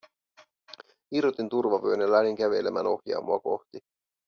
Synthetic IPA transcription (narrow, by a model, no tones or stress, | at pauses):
irot̪int̪urʋɑʋøøːnɑlæniŋk̟æʋe̞lemæ̰no̞hjɑ̰ːmʔoɑko̞̰ht̪i